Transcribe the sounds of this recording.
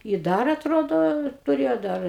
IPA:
ɪ ˈdɐr ɐtˈroːdoː tʊˈrʲeːjoː ˈdɐr

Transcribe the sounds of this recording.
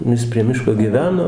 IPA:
nʊ ˈjɪs pʲrʲiɛ ˈmʲɪʃkoː ɡʲiːˈʋʲæːnoː

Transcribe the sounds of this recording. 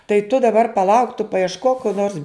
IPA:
tɐɪ tʊ dɐˈbɐr pɐˈlˠɐʊk tʊ pɐɪɛʃˈkoːk koː noːrs

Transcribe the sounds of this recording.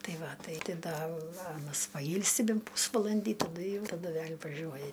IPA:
ˈtɐɪ ˈʋɐ ˈtɐɪ tʲɪ ˈdɐ ˈɑːnɐs pɐˈjiːlʲsʲɪ ˈbʲɛnt ˈpuːsʋɐlˠɐnʲdʲiː tɐˈdʊ ˈjɛʊ tɐˈdʊ ˈʋʲɛlʲ ʋɐˈʒʲuɔjɛ

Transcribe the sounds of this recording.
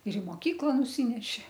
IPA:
ɪr ɪ moːˈkʲiːklˠɐ nʊˈsʲiːnʲɛʃʲɪ

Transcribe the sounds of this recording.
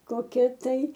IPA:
koːˈkʲɛ tɐɪ

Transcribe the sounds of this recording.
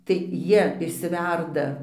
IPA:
tɐɪ ˈjiɛ ɪʃʲsʲɪˈʋʲɛrdɐ

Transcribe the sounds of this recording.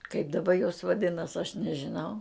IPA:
kɐɪp dɐˈbɐ joːs ʋɐˈdʲɪnɐs ɐʃ nʲɛʒʲɪˈnɐʊ

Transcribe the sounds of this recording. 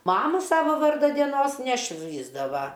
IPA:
ˈmɑːmʊ ˈsɑːʋɐ ˈʋɐrdɐ dʲiɛˈnoːs nʲɛˈʃʲʋʲiːzdɐʋɐ

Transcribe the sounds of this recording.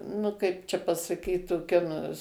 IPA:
nʊ ˈkɐɪp t͡ʃʲɛ pɐsɐˈkʲiːt toːˈkʲɛ nʊ

